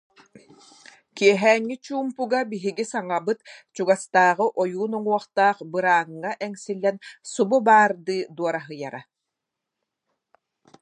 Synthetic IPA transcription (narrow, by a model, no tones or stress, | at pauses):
kiɛɦɛːŋːit͡ɕuːmpuɡabiɦiɡisaŋabɯt̪t͡ɕuɡast̪aːʁɯʔɔjuːnɔŋuɔχt̪aːχbɯɾaːŋːaʔɛŋsilːɛnsububaːɾd̪ɯːd̪uɔɾaɦɯjaɾa